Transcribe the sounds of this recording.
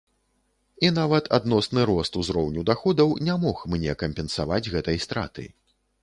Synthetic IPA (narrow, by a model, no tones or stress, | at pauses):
inavɐt̪ʰa̰d̪nɔsnɨɾɔst̪uzɾɔwnʲud̪axɔd̪ɐwnʲamɔxmnʲɛkɐmʲpʲɛnsavad͡zʲɣɛt̪ɐjst̪ɾa̰t̪ɨ̰